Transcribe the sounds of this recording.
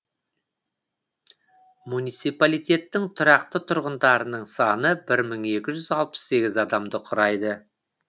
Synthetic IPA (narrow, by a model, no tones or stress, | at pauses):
munijt̪sijpalijt̪ʲe̞t̪ːɪŋt̪ʰʊɾɑqt̪ət̪ʰʊɾʁənd̪ɑɾənəɴsɑnəbɪɾməɴe̞kʲɪʒʏzɑlˠpə̥sse̞ɡʲɪzɑd̪ɑmd̪əqʰʊɾɑjd̪ə